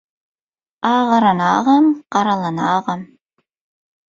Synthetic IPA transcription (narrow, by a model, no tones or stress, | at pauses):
ɑːʁɑɾanɑːʁɑmqɑɾalˠanɑːʁɑm